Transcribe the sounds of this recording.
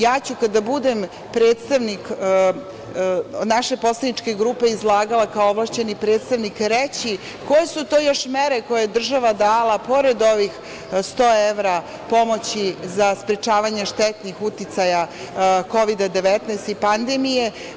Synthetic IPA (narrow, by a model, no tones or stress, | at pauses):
jaːt͡ɕukad̪abud̪em | pɾeːt̪st̪aʋnik | naʃe̞po̞slad̪nit͡ʃke̞ɡɾuːpe̞izlˠaːɡalekaooʋlˠaʃt͡ɕe̞nipɾe̞ːt̪st̪aʋnikɾet͡ɕi | ko̞jesut̪o̞ːjo̞ʃmeɾeko̞jeed̪r̩ʒaʋad̪aːlapo̞ɾed̪o̞ʋix | st̪o̞ːeʋɾa | po̞mo̞t͡ɕizaspɾet͡ʃaːʋaɲeʃt̪ɛt̪nixut̪it̪saja | ko̞ʋid̪ad̪eʋɛt̪nɛest̪ipand̪emije̞